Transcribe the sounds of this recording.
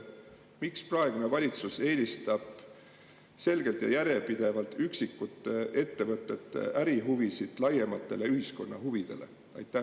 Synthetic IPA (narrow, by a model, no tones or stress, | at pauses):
miksprɑe̞ɡ̥une̞vɑlʲit̪suse̞ːlʲist̪ɑb̥ | se̞lɡ̥e̞lt̪jɑ̰jæɾe̞pid̪̥e̞vɑlt̪yksikːut̪ːˑee̞t̪ːe̞vɤt̪ːˑe̞t̪ːˑḛʔæɾiɦuvisid̪̥lɑje̞mɑt̪ːe̞le̞yhisko̞nːɑ̰ɦuvid̪̥e̞̰le̞̰ | ɑ̰jt̪ːˑæ